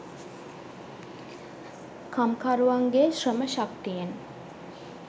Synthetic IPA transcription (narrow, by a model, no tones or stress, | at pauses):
kʰamkaɾuʋaŋɡeʃrəməʃakt̪ijeŋ